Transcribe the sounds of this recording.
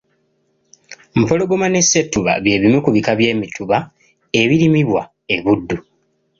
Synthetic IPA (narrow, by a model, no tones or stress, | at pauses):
m̩po̞lo̞ɡomanesetːuβa̰βje̞ːβimukuβikaβje̞ːmitʰuβa | e̞βiɾimiβwa | e̞βudːu